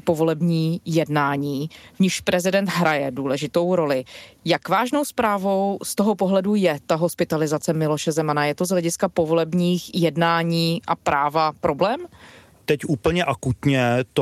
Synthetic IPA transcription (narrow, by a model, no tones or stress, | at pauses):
po̞vo̞lɛbɲiːjɛdnaːɲiːvɲɪxʃpɾɛzɪdɛnt̪ɦɾajɛduːlɛʒɪt̪o̞wɾo̞lɪjakvaːʒnowspɾaːvo̞wst̪o̞ɦopoɦlɛdujɛt̪aɦo̞spɪt̪alɪzat͡sɛmɪlo̞ʃɛzɛmanajɛt̪ozɦlɛɟɪskapo̞vo̞lɛbɲiːxjɛdnaːɲiːʔapɾʔaːvapɾo̞blɛːm | t̪ɛcʔuːpl̩ɲɛʔakut̪ɲɛt̪